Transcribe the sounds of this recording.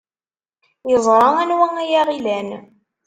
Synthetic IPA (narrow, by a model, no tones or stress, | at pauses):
jəzˤɾˤɑŋænwæŋæjaʁilæn